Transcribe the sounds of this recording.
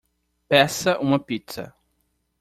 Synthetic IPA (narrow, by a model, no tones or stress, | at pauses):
pɛsɐʔũmɐpit̪sɐ̰